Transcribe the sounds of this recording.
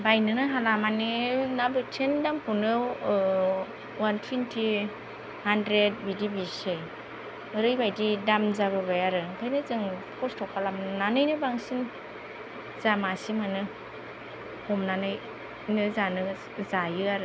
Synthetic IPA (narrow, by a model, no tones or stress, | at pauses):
bajnɯnɯɦalamaninabɯtʰendampʰunɯ | wantʰwintʰi | handɾed̚bidibisɯj | ɯɾɯjbajdidamzaβɯβajaɾɯkʰajnɯzɯŋpʰɔstʰɔkʰalamnanɯjnɯbaŋsin | zamasimanɯ | hɔmnanɯj | nɯzanɯ | zajɯaɾɯ